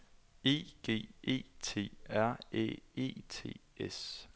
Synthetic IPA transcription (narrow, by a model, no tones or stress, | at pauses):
e̝̰ːɡ̥e̝̰ːe̝̰ːt͡sʰe̝̰ːæɐ̰ḛːe̝̰ːt͡sʰe̝̰ːes